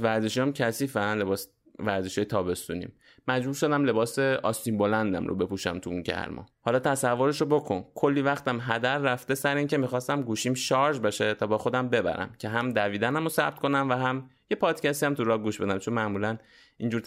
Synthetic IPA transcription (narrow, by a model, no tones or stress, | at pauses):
væɾzeʃiamcʰæsiːfænlebɒːs | væɾzeʃɒːjet̪ʰɒːbe̞st̪ṵːnḭm | mæd͡ʒbuːɾʃo̞d̪æmle̞bɒːseɒst̪imbo̞lænd̪æ̰mro̰be̞puʃæ̰mt̪ʰuuncʰæ̰ɾmʔɒ̰hɒːlɒːt̪ʰæsævːo̞ɾeʃobo̞kʰo̞nkʰo̞lːivæxt̪æmɦæd̪æɾːæft̪e̞sæɾeiːŋcʰe̞mixɒːst̪æmɡuːʃiːmʃɒɾd͡ʒbeʃet̪ʰɒːbɒːxo̞d̪æmbe̞bæ̰ɾæ̰mcʰe̞ɦæmd̪æviːd̪ænæmosæ̰b̚t̪̚kʰo̞næmvæɦæm | je̞pʰɒːd̪̥cæst̪iæmt̪ʰuɾɒːɡuːʃbe̞d̪æmt͡ʃʰo̞nmæʔmuːlæn | ind͡ʒuɾ